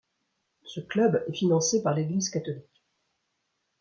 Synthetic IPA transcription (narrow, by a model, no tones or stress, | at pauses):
səklœbɛfinɑ̃sepaʁleɡlizkat̪ɔlik